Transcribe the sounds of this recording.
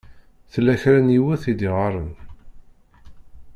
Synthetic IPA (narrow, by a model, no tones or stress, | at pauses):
θəlːæçɾænjiwæθid̪iʁɑɾˤən